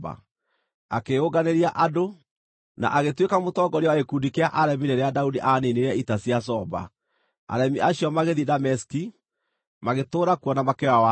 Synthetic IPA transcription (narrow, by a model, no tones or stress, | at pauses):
ba̰ | a̰keoɡaneɾiaʔado | na̰ʔaɣetwekamotɔɡɔɾewaekudikeaʔaɾɛmineɾeadaudiʔaneneɾɛitasias̬ɔba̰ | a̰ɾɛmiʔaɕiɔmaɣeðidamɛski | maɣetoːɾakuɔnamakewawa